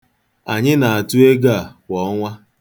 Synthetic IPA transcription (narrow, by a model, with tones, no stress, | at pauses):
a˨ɲɪ˦na˨a˨tu˦e˦ɡa˦˨kʷɔ˨˦ŋʷa˦